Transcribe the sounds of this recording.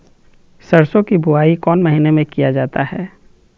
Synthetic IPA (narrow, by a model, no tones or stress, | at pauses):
sɐɾsõkibʱʊaːikɔːnmɐɦinemẽkijad͡ʒaːt̪ahɛː